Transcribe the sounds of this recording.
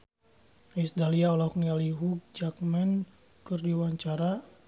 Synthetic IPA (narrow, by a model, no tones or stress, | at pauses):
isdaliaɔlɔknialiɦuk̚d͡ʒak̚mɛn | kɨrdiwaɲt͡ʃaɾa